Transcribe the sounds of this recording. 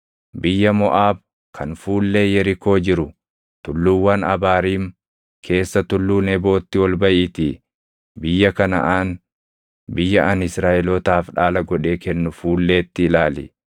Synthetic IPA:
bɪjːɐmɔʔaːb̚ | kʰɐnfuːlːe̞ːjɛɾɪko̞ːd͡ʒɪɾʊ | t̪ʊlːuːwːɐnɐbaːɾiːm | kʰe̞ːsːɐt̪ʊlːuːnɛbo̞ːt̪ːɪwɔlbɐʔɪt̪i | bɪjːɐkɐnɐʔaːn | bɪjːɐʔɐnɪsɾaːʔɛlɔt̪aːfᶑaːlɐɡɔᶑe̞ːkɛnːʊfuːlːe̞ːt̪ːɪːlaːlɪ̰

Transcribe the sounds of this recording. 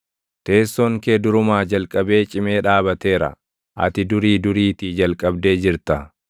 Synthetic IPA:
t̪e̞ːsːɔŋkeːd̪ʊɾʊmaːd͡ʒɐlkʼːɐbe̞ːt͡ʃʼɪme̞ːᶑaːbɐt̪e̞ːɾɐ̰ | ʔɐ̰t̪ɪd̪ʊɾiːd̪ʊɾiːt̪iːd͡ʒɐlkʼɐbd̪e̞ːd͡ʒɪɾt̪ɐ

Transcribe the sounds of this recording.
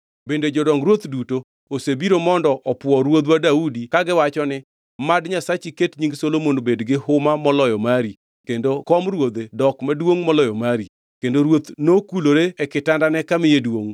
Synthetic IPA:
bended͡ʒɔdɔŋɾwot̪duto | osebiɾomɔndɔʔɔpwɔɾwod̪wadaudikaɡɪwat͡ʃɔnɪ | madɲasat͡ʃiketɲiŋɡsolomonbedɡɪhʊmamɔlɔjɔmaɾi | kendokɔmɾwod̪edɔkmadwoŋmɔlɔjɔmaɾi | kendoɾwot̪nokuloɾeːkɪtandanɛkamɪjedwoŋ

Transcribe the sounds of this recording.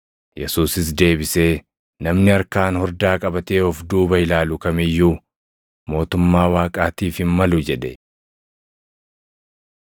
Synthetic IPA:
jɛsuːsɪs̬d̪e̞ːbɪse̞ː | nɐmnɪɐɾkaːnhɔɾd̪aːkʼɐbɐt̪eːɔfd̪uːbɐɪlaːlʊkɐmɪjːuː | mo̞ːt̪ʊmːaːwaːkʼaːt̪iːfhɪmmɐlʊd͡ʒɛd̪ɛ

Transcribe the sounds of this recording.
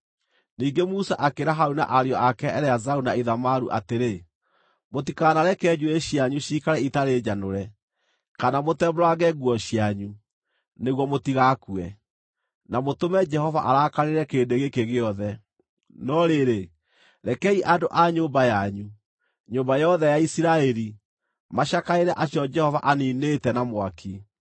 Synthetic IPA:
niːɡemusaʔakeɾaɦauna̰ʔaɾeɔʔakɛɛɾɛazaunaiðamaɾṵʔateɾe | motikanaɾɛkɛd͡ʑueɕiaɲuɕikaɾɛitaɾed͡ʑanoɾɛ | kanamotɛbɾwaɣɛɣwɔɕjaɲu | neɣwɔmotiɣakuɛ | namotomɛd͡ʒɛhɔva̰ʔaɾakaɾeɾɛkeːdeɣekeɣeɔðɛ | nɔɾeɾe | ɾɛkɛiʔadoʔaɲoːmbajaɲu | ɲoːmbajɔðɛjaisiɾaɛɾi | maɕakaeɾɛʔasjɔd͡ʒɛhɔvaʔaniːnetɛnamwaki

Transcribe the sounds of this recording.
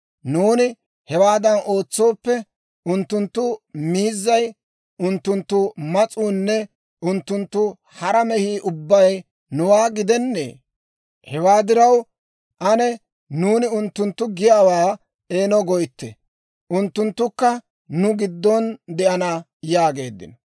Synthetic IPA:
nuːnɪ | hɛwaːd̪ɐno̞ːt͡sːo̞ːpːɛ | ʊnt̪ːʊnt̪ːʊmiːzːɐj | ʊnt̪ːʊnt̪ːʊmɐt͡sʼuːnːɛ | ʔʊnt̪ːʊnt̪ːʊ | hɐɾɐmɛhiːʔʊbːɐj | nʊwaːɡɪd̪ɛnːḛː | hɛwaːd̪ɪɾɐw | ʔɐnɛ | nuːnɪʊnt̪ːʊnt̪ːʊɡɪjaːwaː | e̞ːnɔɡɔjt̪ːɛ̰ | ʔʊnt̪ːʊnt̪ːʊkːɐ | nʊɡɪd̪ːɔnd̪ɛʔɐnɐ | jaːɡe̞ːd̪ːɪ̰nɔ

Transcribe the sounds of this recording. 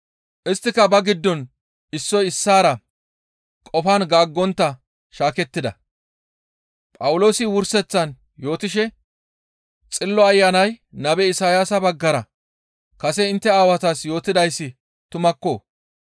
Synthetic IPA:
ʔɪst̪ːɪkɐbɐɡɪd̪ːɔn | ɪsːɔjɪsːaːɾɐ | kʼɔfanɡaːɡːɔnt̪ːɐ | ʃaːkɛt̪ːɪd̪ɐ̰ | pʼɐwʊlo̞ːsɪwʊɾsɛt͡sːɐn | jo̞ːt̪ɪʃɛ | t͡sʼɪlːɔɐjːanɐjnɐbɛɪsaːjasɐbɐɡːɐɾɐ | kɐsɛɪnt̪ːɛaːwɐt̪aːsjo̞ːt̪ɪd̪ɐjsːɪ | t̪ʊmɐkːo̞ː

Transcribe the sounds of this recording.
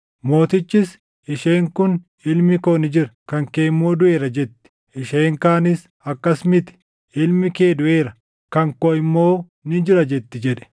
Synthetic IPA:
mo̞ːt̪ɪt͡ʃːɪs | ɪʃe̞ːŋkʊn | ɪlmɪkoːnɪd͡ʒɪɾɐkɐŋkeːmːoːd̪ʊʔe̞ːɾɐd͡ʒɛt̪ːɪ̥ | ʔɪʃeːŋkaːnɪs | ɐkːɐsmɪt̪ɪ̥ | ɪlmɪkeːd̪ʊʔe̞ːɾɐ | kɐŋkoɪmːoː | nɪd͡ʒɪɾɐd͡ʒɛt̪ːɪd͡ʒɛᶑɛ̥

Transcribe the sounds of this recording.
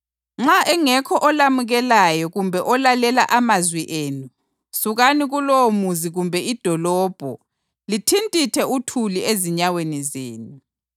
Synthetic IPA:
ŋ͡ǁaʔɛŋɛkʰɔʔɔlamuɣɛlajɔɣumbʱɛʔɔlalɛlaʔamazwiʔeːnu | suɣaniɣulomuziɣumbʱɛid̥ʱɔlɔːb̥ʱɔ̰ | litʰintʼitʰɛutʰulieziɲawenizeːnu

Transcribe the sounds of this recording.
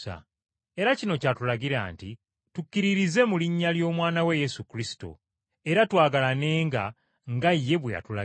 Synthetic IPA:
a̰ | e̞ɾacino̞catulaɡiɾa̰ːnti | tukːiɾiɾize̞muliɲːaljo̞ːmwaːnaweje̞sukɾisi̥to̞̰ | e̞ɾatwaːɡalane̞ːŋɡa̰ | ŋɡajːe̞βweja̰tula

